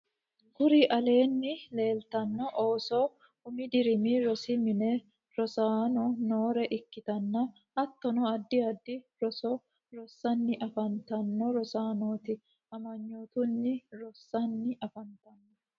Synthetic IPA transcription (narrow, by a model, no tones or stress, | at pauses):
kʊɾiʔɐle̞ːnːɪle̞ːlt̪ɐnːɔʔoːsɔ | hʊmɪd̪ɪɾɪmiɾɔsɪmɪne | ɾɔsaːnɔnoːɾɛʔɪkːɪt̪ɐnːɐ | hɐt̪ːɔnɔɐd̪ːɪɐd̪ːɪɾɔsɔ | ɾɔsːɐnːɪʔɐfɐnt̪ɐnːɔɾɔsaːnoːt̪ɪ | ʔɐmɐɲːoːt̪ʊnːɪɾɔsːɐnːɪʔɐfɐnt̪ɐnːɔ